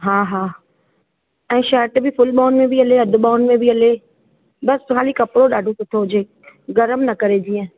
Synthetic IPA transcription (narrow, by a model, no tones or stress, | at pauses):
ɦaːɦaː | ɛ̃ːʃɛːɾʈbʱɪfʊlɓaːʊnmẽbiɐleɐd̪ʱʊ̆ɓaːnmẽbiɐle | bɐskʰaːlikɐpɽoɗaːɖʱot̪ʊt̪ʰoʊd͡ʑeː | ɡɐɾəmnɐkɐɾed͡ʑiə̃